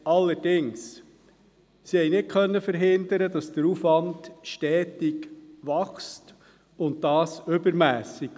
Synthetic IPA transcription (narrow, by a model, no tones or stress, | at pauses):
ɑlːəɾdɪŋs | sihɛjnɪt̚kʰœnːəfəɾɦɪnd̪əɾədɑsd̥̪əɾufʋɑndʃtɛːtiɡʋɑχst | ʊntdɑːsʏbəɾmæːsik